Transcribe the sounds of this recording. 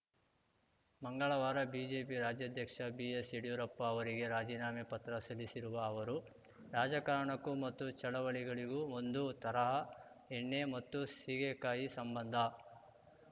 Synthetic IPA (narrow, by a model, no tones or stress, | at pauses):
mɐŋɡɐɭɐʋaːɾɐbiːd͡ʒeːpiɾaːd͡ʒjad̪ʱjɐkʂɐbiesiɽjuɾɐpːɐːʋɐɾiɡe̞ɾaːd͡ʒiːnaːmepɐt̪ɾɐsɐlisiɾuʋɐːʋɐɾu | ɾaːd͡ʒɐkaːɾɐɳɐkːumɐt̪ːut͡ʃɐɭɐʋɐɭiɡɐɭiɡuo̞nd̪ut̪ɐɾɐɦɐ | eɳːe̞mɐt̪ːusiːɡekaːjisɐmbɐnd̪ʱɐ